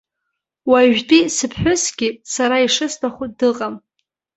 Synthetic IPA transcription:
waʒᶣtʼisɨpʰħʷᶣʊsɡʲɪsaɾaiʂɨstʰaχʷʊdɨqʼam

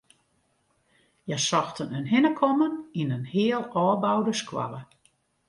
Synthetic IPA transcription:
jasɔxtʰənənɦɪnəkʰɔməninənhɪəlˠɔːbawdəskʰwa̰lə

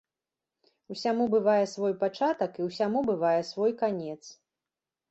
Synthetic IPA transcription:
usʲamubɨvajɛsvɔjpat͡ʂat̪ɐkiwsʲamubɨvajɛsvɔjkanʲɛt̪s

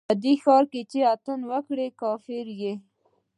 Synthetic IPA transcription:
əd̪ixɑɾket͡ʃeat̪ənwəkɽekɑfɪɾje

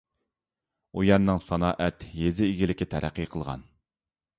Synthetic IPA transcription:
ujɑnːɨŋsɑnɑːʔɛt̪jezɪːɡʲilɪkʲːit̪ʰæɾʔæ̰qːiqʰəlˠʁɑ̰n

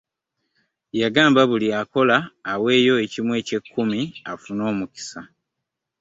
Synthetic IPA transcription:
jaɡaːmbaβuliako̞laːwe̞ːjo̞e̞cimwe̞ːce̞kʰːumiafuno̞ːmuki̥sa

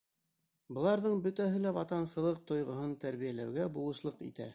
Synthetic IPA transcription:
bɤ̆lˠɑɾðɤɴbɵ̆t̪æɦɘlæwɑt̪ɑnsɤ̆lˠɤq̚t̪ŏjʁŏɦɤnt̪æɾβijælæwɡæbulˠɤ̆ʃlˠɤqḭt̪æ̰

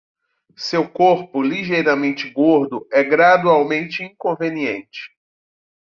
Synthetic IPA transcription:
sewkoɾpʊliʒejɾamẽnt͡ʃɪɡoɾd̪ʊɛɡɾad̪uawmẽnt͡ʃɪĩkõveniḛ̃nt͡ʃɪ̥

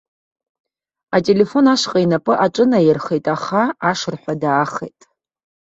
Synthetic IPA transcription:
atʼe̞le̞fo̞naʂqʼajnapʼɨʔaʈ͡ʂʷʼɨnajɪrχejtʼaχaaʂɨrħʷadaːχḛjtʼ

